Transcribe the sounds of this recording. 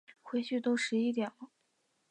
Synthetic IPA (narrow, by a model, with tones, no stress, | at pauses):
xwe˧˥ɪɕy˥˩t̪o˥ʊʂɻ̩˧˥i˥t̪jɛ˨˩nlə˦